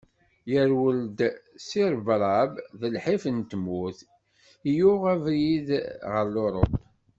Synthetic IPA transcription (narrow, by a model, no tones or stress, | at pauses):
jəɾwəld̪siɾbɾˤɑbðəlħifənt̪əmuθ | ijuʁævɾiðʁəɾlʊɾˤəpː